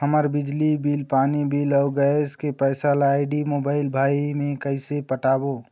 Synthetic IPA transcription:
ɦəməɾbɪd͡ʒlibilpaːnibilɔɡəskepɛɪsalːɪɖimoːbaːɪlbʱaːimẽkəɪsepəʈaːbo

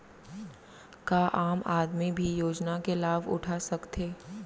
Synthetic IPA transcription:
kaːʔaːmaːd̪mibʱijoːd͡ʒnakelaːʋʊ̰ʈʰasɐkt̪ʰeː

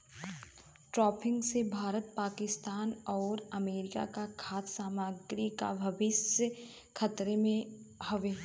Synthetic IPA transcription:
ʈɾɔːpʰɪ̃ŋɡsebʱaːɾət̪̚paːkɪst̪aːnɔːɾɐmeːɾɪka̰kakʰaːt̪saːmaːɡɾika̰bʱɐʋɪsə | kʰɐt̪ɾemẽhɐʋeː

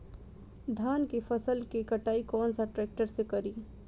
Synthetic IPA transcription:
d̪ʱaːnkifɐsəlkikɐʈaːikɔːnsaʈɾɛːk̚ʈəɾsekɐɾiː

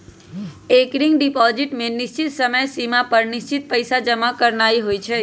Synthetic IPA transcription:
ekɾiŋɡɖipɔziʈmenɪʃt͡ʃit̪səməjsimapəɾniʃt͡ʃit̪̚pəjsad͡ʒəmakəɾnajɦojt͡ʃʰe

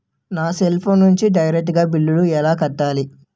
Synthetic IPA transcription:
naːselpʰoːnːuɲt͡ʃiɖɐjɾek̚ʈːɡaːbilːuluɛlaːkɐʈːaːli

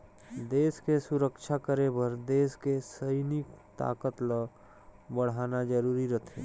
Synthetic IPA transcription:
d̪eːskesʊɾəkʃʰakəɾebəɾd̪eːskesəjnɪkt̪a̰ːkət̪lə | bəɽ̤aːnad͡ʒəɾuːɾiɾət̪ʰḛ

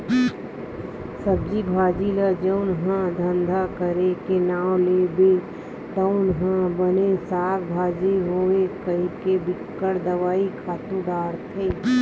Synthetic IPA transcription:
səb̚d͡ʒibʱaːd͡ʒiləd͡ʒəʊnɦãd̪ʱə̃nd̪ʱakəɾekenaːwlebe | t̪əʊnɦãbənesaːɾbʱaːd͡ʒiɦoːekəikebɪkːəɽd̪əʋaːikʰaːt̪ũd̪aːɾt̪ʰeː

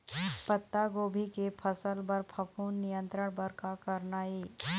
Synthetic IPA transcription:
pət̪ːaɡoːbʱikepʰəsəlbəɾpʰɐpuːnːɪjə̃nt̪ɾəɽ̃bəɾkakɐɾnaːiː

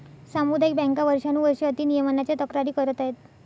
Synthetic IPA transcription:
samud̪jk̚bɛ̃ŋkaʋəɾʂanuːʋəɾʂəət̪iːnijəmənat͡ɕjat̪əkɾaɾiːkəɾət̪aɦet̪

